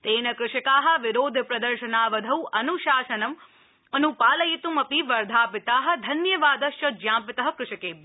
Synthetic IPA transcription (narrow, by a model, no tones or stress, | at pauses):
t̪eːnɐkɾɪʃɐkaːɦɐ̆ʋɪɾoːd̪ʱpɾɐd̪ɐɾʃɐnaːʋɐd̪ʱɐwʔɐnuʃaːʃɐnɐm | ɐnupaːlɐjit̪umɐpiʋɐɾd̪ʱaːpɪt̪aːɦɐ̆d̪ʱɐnjɐʋaːd̪ɐʃjɐd͡ʒjãːpɪt̪ɐɦɐ̆kɾʊʃɐkeːb